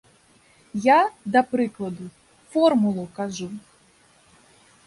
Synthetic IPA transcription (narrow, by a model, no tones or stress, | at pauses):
jad̪ɐpɾɪklˠɐd̪ʊ | fɔrmʊlˠʊkaʐu